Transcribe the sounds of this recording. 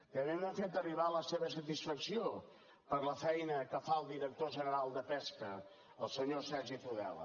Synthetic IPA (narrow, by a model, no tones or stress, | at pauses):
kəβenafet̪əriβaləseβəs̬ət̪isfəksio | pəɾləfɛjnəkəfaəlˠd̪iɾək̚t̪oʒənəɾalˠd̪əpɛskə | əlˠsəɲosɛɾʒifuðɛ̰l̰ˠ